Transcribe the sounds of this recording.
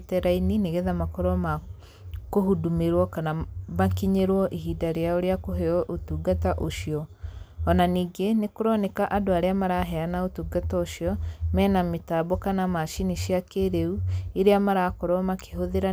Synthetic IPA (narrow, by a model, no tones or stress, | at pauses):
tɛɾainineɣeðamakɔɾɔma | kohudumeɾwɔkanamakiɲeɾwɔʔiɦiːdaɾeaoɾeakoɦeɔʔotuːɡataʔoʃiɔː | naniːɡenekoɾɔnekaʔadoaɾeamaɾaɦɛanaotuːɡataoʃiɔmɛːnametaːβɔkanamaʃiniʃiakeɾeueɾeamaɾakɔɾɔmake̥ɦoðeɾa